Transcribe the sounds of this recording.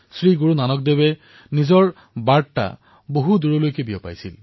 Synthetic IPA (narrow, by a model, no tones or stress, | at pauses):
sɹiɡuɹunanɔk̚debɛ | nizɔɹ | baɹta̰ | boɦuduɹɔlojkebiɔpa̰jsḭl